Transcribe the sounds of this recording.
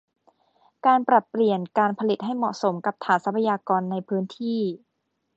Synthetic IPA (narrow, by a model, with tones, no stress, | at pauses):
kaː˧npɾa˨˩t̪̚pːli˨˩ənkaː˧npʰa˧li˨˩t̪̚ɦa˥˩jmɔ̰˨˩ʔso˩˦mka˨˩p̚t̪ʰaː˩˦nsa˦˥pʰa˧jaː˧kɔː˧nːa˧jpʰɯː˦˥nt̪ʰiː˥˩